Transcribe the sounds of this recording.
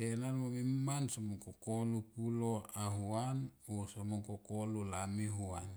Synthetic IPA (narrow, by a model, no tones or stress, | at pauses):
enanmomimansomoŋkokolupuloaɦuanosomoŋkokolulamiɦuan